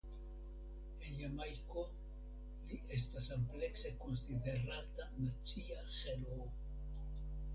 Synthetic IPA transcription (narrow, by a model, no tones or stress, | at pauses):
enjamajko̞ | liʔe̞s̬tasample̞kse̞ko̞nside̞ɾatanat͡siaχelo